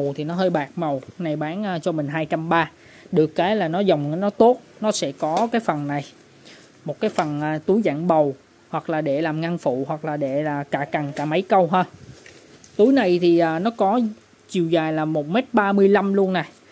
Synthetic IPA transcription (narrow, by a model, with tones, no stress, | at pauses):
wt̪ʰi˨˩nɔ˨˦ɦəː˧jɓaː˨˩k̚mə˨˩wna˨˩jɓaː˨˦nʔːt͡ɕɔ˧mï˨˩ŋ̟ɦaː˧jt͡ɕa˧mɓaː˧ | ɗɨ˨˩əkːaː˨˦jlaː˨˩nɔ˨˦za˨˩wŋ͡mkaː˨˦jnɔ˨˦t̪o˦˥t̚nɔ˨˦sɛ̰˧˥kɔ˨˦kaː˨˦jfə˨˩nna˨˩j | mo˨˩t̚kaː˨˦jfə˨˩nʔaː˨˩t̪u˨˦jza̰ː˧˨ŋɓə˨˩w | hwa˨˩k̚laː˨˩ɗe˧˩laː˨˩mŋa˧nfṵ˧˨hwa˨˩k̚laː˨˩ɗe˧˩˨laː˨˩kaː˧˩ka˨˩nkaː˧˩ma˨˦jkə˧wɦəː˧ | t̪u˨˦jna˨˩jt̪ʰi˨˩ʔaː˨˩nɔ˨˦kɔ˨˦ | t͡ɕi˨˩əwzaː˨˩jlaː˨˩mo˨˩t̚me˦˥t̚ɓaː˧mɨ˧əjla˧mlu˧ənna˨˩j